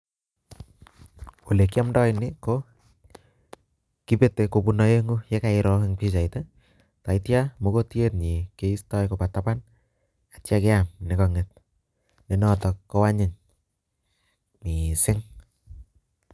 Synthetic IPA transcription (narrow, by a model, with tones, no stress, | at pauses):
wo˨le˨ki˦a˦mdɔ˦jnɪ˦ko | ki˦pe˦te˨ko˨punɔ˦je˦ŋu˦je˦ka˨ɪɾɔ˦kɪŋpi˦t͡ʃa˨ite | ta˨itja˦mo˨ko˦ti˦e˦t̚ɲi˨ke˦i˦stɔ˦jko˨patapan | atjake˦amnɪ˨kɔ˨ŋɪt̚ | ni˨nɔ˦tɔ˨kkːɔ˦wa˦ɲɪ˨ŋ | mi˨sɪ˦ŋ